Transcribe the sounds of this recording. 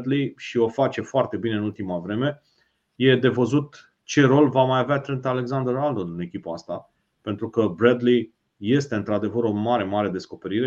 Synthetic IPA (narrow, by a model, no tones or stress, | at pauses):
d̪liʃio̞fat͡ʃe̞foart̪e̞bine̞ɨnult̪imavɾe̞me̞ | je̞d̪e̞vəzut̪ | t͡ʃe̞ɾo̞lvamajaveat̪ɾent̪ale̞ksand̪əɾald̪oɨne̞kʲipaa̰st̪a | pe̞nt̪ɾukəbɾed̪li | je̞st̪e̞ɨnt̪ɾad̪e̞vəɾo̞maɾe̞maɾe̞d̪e̞sko̞pe̞ɾiɾe